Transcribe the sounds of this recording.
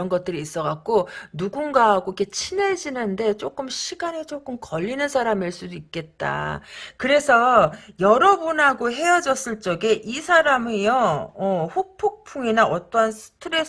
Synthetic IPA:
ʌnɡʌt͈̚ɯɾiːs͈ʌɣak̚k͈onuɡunɡaɦaɡoikʰe̞t͡ɕʰined͡ʑinɯnde̞t͡ɕ͈ok͈ɯmɕʰiɡanet͡ɕ͈ok͈ɯmkʌʎːinɯnsʰaɾamiɭs͈udoik͈̚e̞t̚t͈a̰kɯɾe̞sʰʌjʌɾʌbonɦaɡoɦe̞ʌd͡ʑʌs͈ɯɭt͡ɕ͈ʌɡe̞ʔisʰaɾamɯjʌʌɸok̚pʰok̚pʰuŋinaʔʌt͈ʌnsʰɯ̥tʰɯɾe̞

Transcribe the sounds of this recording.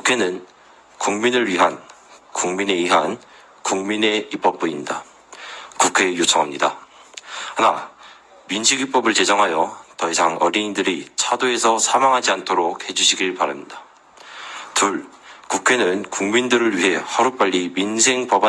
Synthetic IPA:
kukʰe̞nɯn | kuŋminɯɭɥiɦan | kuŋmine̞iɦan | kuŋmine̞ip͈ʌp̚p͈uɲimɲida | kukʰe̞jot͡ɕʰʌŋɦamɲida̰ | hana | minɕʰiɡip͈ʌbɯɭt͡ɕe̞d͡ʑʌŋɦajʌtʌisʰaŋʌɾiindɯɾit͡ɕʰadoe̞sʰʌsʰamaŋɦad͡ʑiantʰoɾok̚he̞d͡ʑuɕʰiɡiɭpaɾamɲida | tuɭkukʰe̞nɯnkuŋmindɯɾɯɭɥiɦe̞hʌɾup͈aʎːiminsʰe̞ŋpʌba

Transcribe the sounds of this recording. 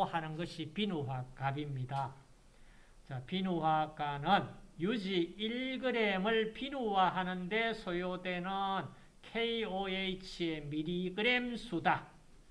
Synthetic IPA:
hanɯnɡʌɕʰipinuɦak͈abimɲida | t͡ɕapinuɦak͈anɯnjud͡ʑiiɭɡɯɾemɯɭpʰinuwaɦanɯnde̞sʰojode̞nɯn | kʰeioeit͡ɕʰie̞miɾiɡɯɾe̞msʰuda

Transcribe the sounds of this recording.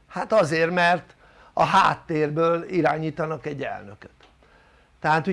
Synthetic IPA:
hat̪ɒzeːrmɛrt̪ | ɒɦa̰ːt̪ːeːrbøːliɾaːɲiːt̪ɒnɒkɛɟːɛ̰lnøkø̥t̪ː | ɛɦaːt̪u

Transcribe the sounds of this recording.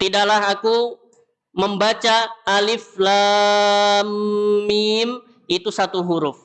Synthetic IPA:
t̪idaʔlaɦaku | məmbat͡ʃaːlɪfla | mmim | it̪usat̪uɦuɾʊf

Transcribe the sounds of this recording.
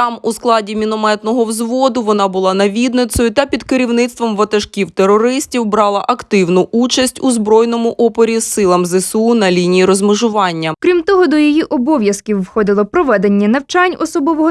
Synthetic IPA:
t̪ɑmusklˠɑdʲimʲinɔmɛt̪nɔɦɔwzʋɔd̪ʊʋɔnɑbʊlˠɑnɐʋʲid̪nɪsɔjʊt̪ɐpʲid̪keɾʲiwnɪt̪st̪ʋɔmʋɐt̪ɐʃkʲiwt̪erɔɾɪsʲtʲiwbɾɑlˠɐʔɐkt̪ɪwnʊʔut͡ʃɐsʲtʲuzbɾɔjnɔmʊʔɔpɔɾʲisɪlˠɐmzɪsunɐlʲinʲijiɾɔzmɪʒʊʋɑnʲːɐkɾʲimt̪ɔɦɔd̪ɔjijiʔɔbɔʋʲjɐskʲiwːxɔd̪ɪlˠɔpɾɔʋɛd̪e̞nʲːɐnɐwt͡ʃɑnʲɔsɔbɔʋɔɦɔ

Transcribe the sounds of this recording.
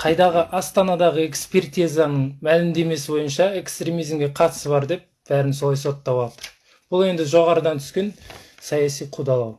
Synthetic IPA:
qʰɑjd̪ɑʁəʔɑst̪ɑnɑd̪ɑʁəe̞kspe̞rt̪ijzɑnəɴmælɪmd̪e̞me̞sɪbo̞jənʃɑe̞kst̪ɾe̞mijzmɡʲe̞qʰɑt̪ə̥səbɑɾd̪e̞p̚b̥æɾɪnso̞lˠɑjso̞t̪ːɑwwɑt̪əɾ | b̥ʊlˠe̞nd̪ɪʒo̞ʁɑɾəd̪ɑnt̪ʰʏ̥skʲe̞nsɑjɑsijqʰud̪ɑlˠɑ̰w

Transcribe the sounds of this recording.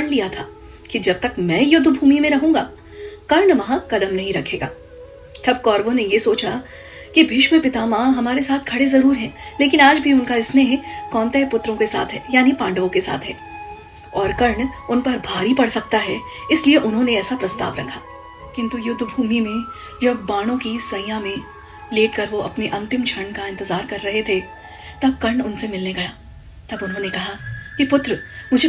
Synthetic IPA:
ɳlijat̪ʰaː | kid͡ʒɐb̚t̪ɐkmɛ̃ːjʊd̪ʱːbʱuːmimẽɾɐɦũːɡa̰ː | kɐɾɳʋɐɦãkɐd̪əmnɐɦĩɾɐkʰeːɡa̰ː | t̪ʰɐb̚kɔːɾʋõnejesoːt͡ʃa | kibʱɪʃmẽpɪt̪amãːɦɐmaːɾesaːt̪̚ʰɡʰɐɽezɐɾuːɾɦɛ̃ːleːkɪnaːd͡ʒbʱiʊnkaɾɪsneɦɛkɔːnt̪aɦɛpʊt̪ːɾõkesa̰ːt̪ʰɦɛːjaːnipãːɳɖʋõkesa̰ːt̪ʰɦɛ̰ː | ɔːɾkɐɾɳʊnpɐɾbʱaːɾipɐɽsɐk̚t̪aɦɛ | ɪslieʔʊnɦõneɛːsapɾɐst̪a̰ːʋɾɐkʰaː | kɪ̃nt̪ujʊd̪ʱbʱuːmimẽ | d͡ʒɐb̚ːaːɽ̃õkisɐɪ̃jãmẽ | leːʈkɐɾʋoɐpneʔɐ̃nt̪ɪmt͡ʃʰɐɾɳkaɪ̃nt̪ɪzaːɾkɐɾːɐɦet̪ʰe | t̪ɐb̚kɐɾɳʊnsemɪlneɡɐjaː | t̪ɐbʊnɦõnekɐɦakipʊt̪ɾmʊd͡ʒʱe

